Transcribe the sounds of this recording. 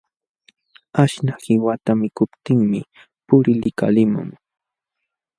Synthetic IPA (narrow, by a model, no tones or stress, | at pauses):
aʃnahɪwat̪amɪkʊpt̪ɪŋmɪ | pʊɾɪlɪka̰lɪmʊ̰ŋ